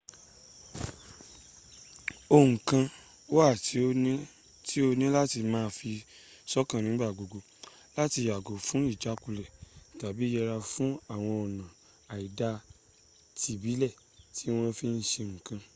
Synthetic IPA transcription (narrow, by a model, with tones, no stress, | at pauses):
o˧ŋ̩˨kã˧ | wo˦a˦˨ti˨˦o˧nĩ˦ | ti˦o˧nĩ˦la˦ti˧mãː˦˧fi˧sɔ˦kã˧˨nĩ˨˦ɡ͡ba˦˨ɡo˨ɡo˧ | la˦ti˧ja˨ɡo˨fũ˦i˦˨d͡ʒa˨˦ku˧lɛ˨ta˨bi˨˦jɛ˧ɾa˧fũ˦a˦˨w̃ɔ̃˧ɔ˨nã˨ | a˨i˨da˧ | ti˨bi˨˦lɛ˦˨ | tʰi˨˦w̃ɔ̃˦fi˦n̩˦ʃe˧ŋ̩˨kã˧